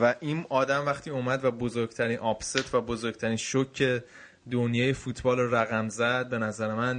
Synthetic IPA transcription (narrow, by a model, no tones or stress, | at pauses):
væʔiːnɒːd̪æmvæχt̪ʰiːuːmæd̪væbozoɾɡ̥t̪ʰæɾiːnʔɒbset̪ʰvæbozoɾɡ̥̚t̪ʰæɾiːnʃocʰːe | d̪onjɒːjefuːt̪ʰbɒːloɾæɣæmzæd̪̚be̞næzæɾe̞mæn